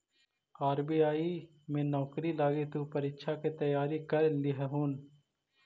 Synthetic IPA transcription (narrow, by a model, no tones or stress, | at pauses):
aːɾbiaːi | mẽːnɔːkɾilaːɡet̪uːpɐɾiːkʃʰaket̪ɐjaːɾikɐɾlɪɦɦuːn